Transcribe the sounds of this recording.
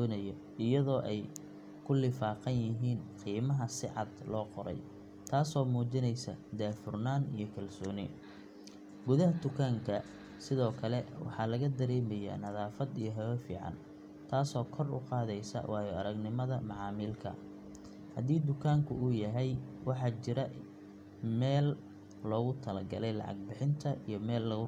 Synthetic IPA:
d̪ɔːnɐjɐ | ɪjɐðɔːʔɛj | kʰʊlɪfaːqɑnjɪɦiːnqiːmɐɦɐsɪʕɑ̰d̪lɔːqɔɾɛ̰j | t̪ʰaːsɔːmuːt͡ʃɪnɛjsɐ̰d̪aːfʊrnaːnḭjɞkʰɐlsɔːnɪ | ɡʊðɐɦɐd̪ʊkʰaːŋkʰɐ | sɪðɔːkʰɐlɛwɑ̰ħɑlɐɣɐd̪ɐɾɛːmɐja̰ːnɐðaːfɐd̪ijɞɦɐwɛfḭːʕɑ̰n | t̪ʰaːsɔːkʰɔrʊ̰qɑːðɛjsɐ̰wɑːjɔɐɾɐɡnɪmɐðɐmɑʕɑːmiːlkʰɐ̰ | hɐd̪iːd̪ʊkʰaːŋkʰʊ̰ʊjɐɦɛjwɑħɑːt͡ʃɪɾɐ | mɛːlː | ɔːɣʊt̪ʰɐlɐɡɐ̰lɛjlɑ̰ʕɑ̰ɡ̚bɪħɪnt̪ʰɐʔijɞmɛːlːɐɣʊ

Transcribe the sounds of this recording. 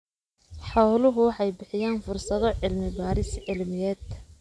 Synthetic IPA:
ħɑwlʊɦʊwħɛjbɪħɪjaːnfʊrsɐðɔʕɪlmɪbaːɾɪsʕɪlmɪjɛːd̪

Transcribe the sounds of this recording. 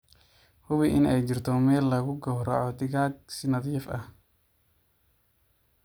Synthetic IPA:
hʊβɪʔɪnɛjt͡ʃɪrt̪ʰɔmɛːlːɐɣʊɡɔːɦɾɔʕɔd̪ɪɣaːɡ̚sɪnɐðiːfɐh

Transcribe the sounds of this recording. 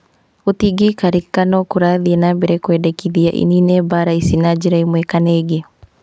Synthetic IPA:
utiɡikaɾikanɔkuɾaðiɛnabɛɾɛkwɛdɛkiðiaʔḭninɛbaɾaisinad͡ʒiɾaimwɛkaneːɡe

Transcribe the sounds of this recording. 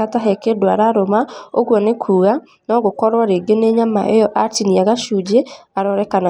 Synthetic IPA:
ataɦɛkedwaɾaɾomaoɣwɔnekʰuːɣa | nɔɣokɔɾwaɾeːɡeneɲama̰ʔejɔʔatiniaɣaʃuːd͡ʑeaɾɔɾɛkana

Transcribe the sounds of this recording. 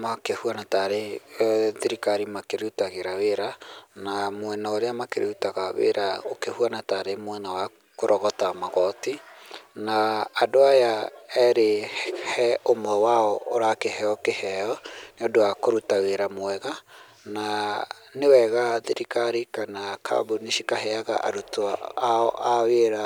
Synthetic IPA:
makehuanataɾe | ðiɾikaɾimakeɾeutaɣeɾaweɾanamoɛnaoɾeamakeɾʔeutaɣaβḛɾʔaokehuanataɾemwɛnawa | koɾʔɔɣɔtamaɣɔtinaːdoajaɛɾehhɛomɔwaɔoɾakehɛɔkehɛɔneɔdoakoɾutaweɾamwɛɣa | na | newɛɣaðiɾikaɾikanakʰa̰buniʃikaɦɛaɣa̰ʔa̰ɾutoaɔʔaweɾa

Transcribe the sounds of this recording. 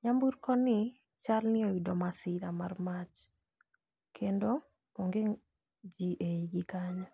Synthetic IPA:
ɲambuɾkɔnɪ | t͡ʃalnɪoidɔmasɪɾamarmat͡ʃ | kʰendo | oŋɡeŋ | d͡ʒiʔeiɡɪkaɲɔ

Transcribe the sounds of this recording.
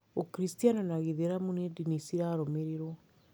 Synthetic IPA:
okɾistianɔnaɣeðeɾamunedinisiɾaɾomeɾeɾwɔ

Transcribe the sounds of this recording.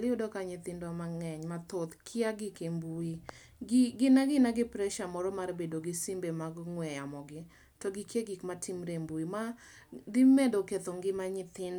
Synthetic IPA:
lɪodɔkaɲɪt̪ɪndwamaŋɛɲmat̪ot̪kʰɪaɡɪkembui | ɡɪɡɪnaɡɪnaɡɪpɾɛʃamɔɾɔmarbedoɡɪsimbemaɡŋwɛjamɔɡɪ | tɔɡɪkeɡikmatʰimɾembuima | dɪmedoket̪ɔŋɡɪmaɲɪt̪ɪn

